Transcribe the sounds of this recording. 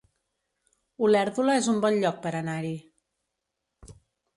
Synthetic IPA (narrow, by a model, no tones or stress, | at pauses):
ulɛɾðuləezumbɔnʎɔk̚pəɾənaɾi